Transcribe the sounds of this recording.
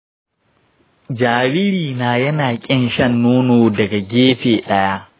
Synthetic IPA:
d͡ʒaː˨ɾɪ˦ɽiː˨naː˨jɐ˦naː˨kʲʼɪ˦nʃɐ˦nːoː˦noː˨dɐ˨ɡa˨ɡʲeː˦ɸeː˨ɗɐ˦ja˦ʔ

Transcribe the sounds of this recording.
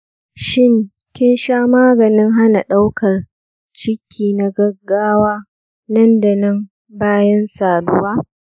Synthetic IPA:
ʃɪ˦ŋ | kʲɪ˦nʃaː˦maː˦ɡɐ˨nɪ˦ŋɦa˦na˨ɗa˦wkʰɐ˨r | t͡ʃɪ˦kʲʰiː˨na˨ɡɐ˦ɡːaː˦waː˦ | nɐ˦nda˨nɐ˦m | baː˦jɐ˦nsaː˨dʊ˦waː˦

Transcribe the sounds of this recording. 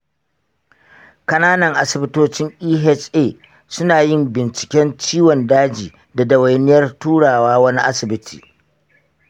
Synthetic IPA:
kɐ˦naː˦nɐ˨ŋʔa˦sɪ˨bɪ˦toː˦t͡ʃɪ˦ŋʔiː˦ɦɛ˦t͡ʃeː˦˨ | sʊ˦naː˨jɪ˦mbɪ˨nt͡ʃɪ̥˨kʲɛ˦nt͡ʃiː˦wɔ˨ndaː˦d͡ʒiː˨ | da˨dɐ˨wɐ˨jnɪ˦jɐ˦rtuː˦ɽaː˨waː˦wɐ˦ni˦ʔa˦sɪ˨bɪ˦tʰḭː˨

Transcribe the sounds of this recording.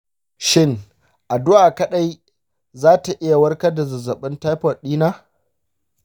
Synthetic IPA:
ʃɪ˦ŋ | ʔa˨dʊ˦ʔaː˨kɐ˦ɗa˦j | zaː˦ta˨ʔɪ˦ja˨wɐ˦rkɐ˦da˨zɐ˨zɐ˨ɓɪ˦nta˦jɸɐ˨ɗiː˦naː˦

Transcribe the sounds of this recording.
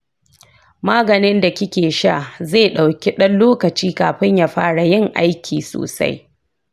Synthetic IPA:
maː˦ɡɐ˨nɪ˦nda˨kʲɪ˦kʲeː˨ʃa̰˦˨zeː˦˨ɗa˨wkʲi˦ɗɐ˦nloː˦kɐ˨t͡ʃiː˦kaː˨ɸɪ˦ɲjaː˨ɸaː˦ɽa˨jɪ˦ŋʔa̰˦jkʲʰiː˨so̰ː˨sa̰˦j

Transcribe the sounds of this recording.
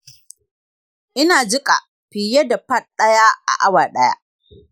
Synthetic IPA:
ʔɪ˦naː˨d͡ʒɪ˦kʼa̰˨ | ɸɪ˨je˦da˨pɐ˦t̚ɗɐ˦jaː˦ʔa̰˨ʔa˦waː˨ɗɐ˦ja̰˦

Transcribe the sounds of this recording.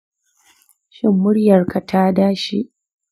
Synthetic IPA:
ʃɪ˦mːʊ˦ɽjɐ˨rka˨tʰaː˦daː˦ʃḭ˦ʔ

